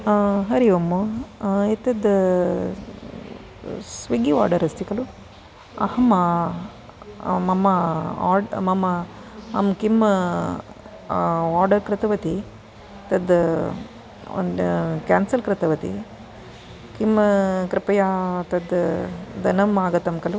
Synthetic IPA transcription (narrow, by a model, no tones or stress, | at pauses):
ɦɐɾiʋɐmuet̪ɐd̪ | sʋɐɡiʋa̰ːɾɖɐɾɐst̪ikɐlu | ɐ̰hɐma | mɐmɐa̰ːɖmɐmɐ | ɐmkim | aːɾɖɐɾkɾɪt̪ɐʋɐt̪i | t̪ɐd̪ | kaːnsɐlkɾɪt̪ɐʋɐt̪ḭ | kimkɾɐpɐjaːt̪ɐd̪d̪ɐnɐmaːɡɐt̪ɐmkɐlu